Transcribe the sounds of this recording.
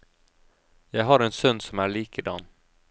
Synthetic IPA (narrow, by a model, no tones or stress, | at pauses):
jɛjɦɑɾɛnsœnd̪sɔmæɭiːkəd̪ɑ̰nː